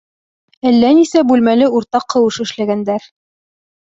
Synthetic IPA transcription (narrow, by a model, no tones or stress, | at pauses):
ælːænisæbʉlmælɘuɾt̪ɑqʰːɤ̆wɤʃɘ̆ʃlæɡænd̪æɾ